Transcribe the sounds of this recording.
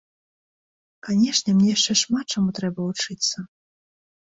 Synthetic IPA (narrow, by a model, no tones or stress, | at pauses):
kanʲɛʂnʲɛmnʲɛjaʂt͡ʂɛʂmat̪̚t͡ʂamut̪ɾɛbɐvut͡ʂɨt̪sːɐ